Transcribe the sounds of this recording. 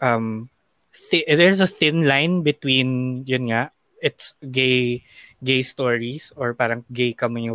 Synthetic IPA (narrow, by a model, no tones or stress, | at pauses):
ʔɐm | θɪd̪ɛɹs̬ɐθɪ̃nlajnbɪt̪winjʊnŋaʔ | ʔɪt̪sɡejɡejst̪oɹisɔɹpaːɾɐŋɡejkɐmɪɲʊ